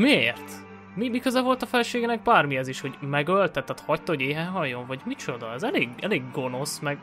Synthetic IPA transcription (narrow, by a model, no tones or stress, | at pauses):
mieːrt̪ | mimikøzɛvo̞lt̪ɒfɛlɛʃeːɡɛnɛɡ̚baːrmiɛziʃho̞ɟmɛɡølt̪ɛt̪ːat̪hɒct̪oɟeːɦɛɦɒjːoɱvɒɟmit͡ʃo̞d̪ɒɛzɛleːɡɛ̰leːɡːo̞no̞smɛɡ